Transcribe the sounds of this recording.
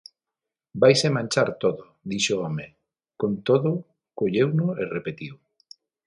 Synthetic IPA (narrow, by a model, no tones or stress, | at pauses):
bajsemãnʲt͡ʃaɾt̪oðʊ | ðiʃoɔme | kont̪oðʊ | koʎewnʊerepet̪iw